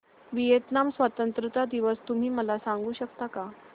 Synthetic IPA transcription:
ʋijet̪namsʋat̪ənt̪ɾət̪ad̪iʋəst̪um̤iːməlasaŋɡuːɕəkt̪aka

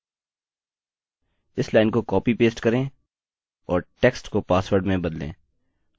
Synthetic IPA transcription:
ɪslaːɪnkokɔːpipeːsʈkɐɾẽ | ɔːɾʈɛksʈkopaːsʋəɾɖmẽbɐd̪lḛ̃ː

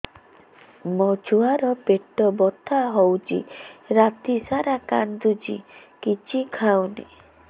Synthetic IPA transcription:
mɔd͡ʒʰuaɾɔpeʈɔbɔt̪ʰaɦowt͡ʃḭɾat̪isaɾaka̰nd̪ud͡ʒḭkit͡ʃʰikʰawnḛ

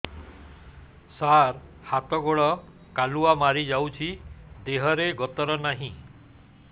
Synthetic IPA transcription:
saɾ | hat̪ɔɡoɭɔ | kaluamaɾid͡ʒawt͡ʃʰid̪eɦɔɾeɡɔt̪ɔɾɔnaɦĩ

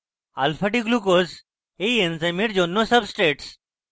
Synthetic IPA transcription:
a̰ːlfɐʈikluk̬oːz | eienzɐmiʈd͡ʒoːnːosɐbsʈɾeːʈs

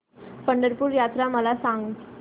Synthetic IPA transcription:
pəɳɖəɾpuːɾjat̪ɾaməlasãŋɡ

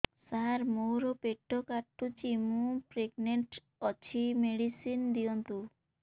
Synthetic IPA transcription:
saɾmowɾopeʈʰːokaʈːut͡ʃimũpɾeɡneɳʈ | ɔt͡ʃʰimeɽisind̪iɔnt̪u

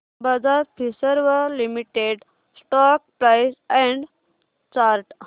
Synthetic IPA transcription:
bəd͡zaɾpʰisəɾʋəlimiʈeɖ | sʈɔk̚pɾajsɛ̃ɳɖ | t͡ɕaɾʈ

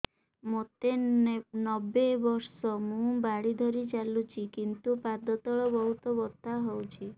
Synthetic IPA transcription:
mot̪enɔbebɔɾsɔmũbaɽid̪ʱɔɾit͡ʃalut͡ʃʰikint̪upad̪ɔt̪ɔɭɔbɔɦut̪ɔbɔt̪aɦɔwt͡ʃʰi

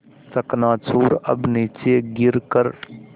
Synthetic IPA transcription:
səknaːt͡ʃʰuːɾɐ̰bniːt͡ʃeːɡɪɾkəɾ

